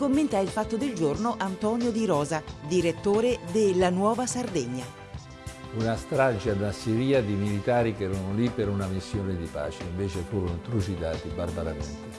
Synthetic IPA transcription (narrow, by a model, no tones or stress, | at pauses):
komːent̪ailfat̪ːod̪ɪld͡ʒornoʔant̪ɔnjod̪iɾɔːzad̪iɾet̪ːoːɾed̪ɪlːanwɔːvasard̪ɛɲːa | unast̪ɾad͡ʒad̪unasiɾiːad̪imilit̪aːɾikɛɾɔnʊlipːeɾunamisːjɔːnɪd̪ipa̰ːt͡ʃeiɱveːt͡ʃefuːɾont̪ɾut͡ʃid̪aːt̪ibarbaɾamɛnt̪ɪ